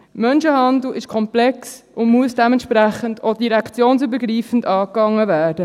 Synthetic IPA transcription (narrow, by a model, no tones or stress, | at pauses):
mœnʃəhɑndl̩ɪʃkʰɔmplɛksʊnmuəsd̥ɛmɛntʃpɾæχəndod̥iɾɛkt͡sjoːnsybəɾɡɾiːfəndɑːkːɑŋːəvæːɾd̥ə